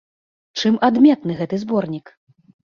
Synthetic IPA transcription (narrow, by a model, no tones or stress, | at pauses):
t͡ʂɨmʔad̪mʲɛt̪nɨɣɛt̪ɨzbɔrnʲik